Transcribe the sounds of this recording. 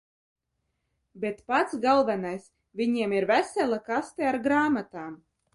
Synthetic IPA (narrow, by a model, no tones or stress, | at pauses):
bʲet̪pat̪sɡalˠvɛnajs | vʲiɲiɛmiɾvæsʲɛlʲˠakast̪eaɾɡɾaːmat̪aːm